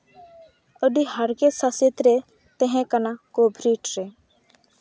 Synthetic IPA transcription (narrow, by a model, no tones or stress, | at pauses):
əd̪ihɐɾkesɐset̪ɾe | t̪eɦẽkɐnakoːbʱɾiːʈɾe